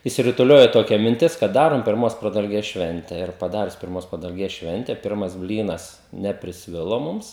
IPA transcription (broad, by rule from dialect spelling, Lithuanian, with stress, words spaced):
ɪʃʲsʲɪrʊtʊˈlʲoːjoː toːˈkʲɛ mʲɪnʲˈtʲɪs kɐt ˈdɑːroːm pʲɪrˈmoːs prɐdɐlʲˈɡʲeːs ˈʃʲʋʲɛnʲtʲɛ ɪr pɐˈdɑːrʲʊs pʲɪrˈmoːs prɐdɐlʲˈɡʲeːs ˈʃʲʋʲɛnʲtʲɛ ˈpʲɪrmɐs ˈbʲlʲiːnɐs nʲɛpʲrʲɪsʲˈʋʲɪlˠoː ˈmʊms